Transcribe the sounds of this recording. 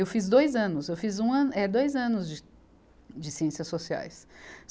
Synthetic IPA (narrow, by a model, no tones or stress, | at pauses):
ewfizd̪ojzɐ̃nʊsewfizũɐ̃nɛd̪ojzɐ̃nʊzd͡ʒɪ | d͡ʒɪsiẽsiɐsːosia̰js